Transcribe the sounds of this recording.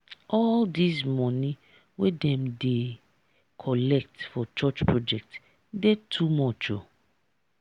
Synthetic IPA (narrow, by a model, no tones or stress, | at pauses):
ɔldismɔnĩ | wedɛ̃mde | kʰɔlɛk̚tfɔt͡ʃɔt͡ʃpɹɔd͡ʒɛk̚t | detʰumɔt͡ʃo̰